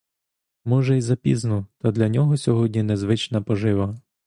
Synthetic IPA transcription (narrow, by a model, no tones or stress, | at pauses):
mɔʒɛizɐpʲiznʊt̪ɐd̪lʲɐnʲɔɦɔsʲɔɦɔdʲnʲinɛzʋɪt͡ʃnɐpɔʒɪʋɐ